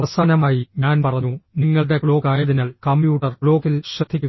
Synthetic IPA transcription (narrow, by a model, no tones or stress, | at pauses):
ɐʋɐsaːnɐmaːjiɲaːnpɐrɐɲːuniŋːɐɭɽe̞kɭo̞ːkaːjɐðinaːɭkɐmbjuːʈːɐrkɭo̞ːkilɕrɐd̪ʱːikʲːuɐ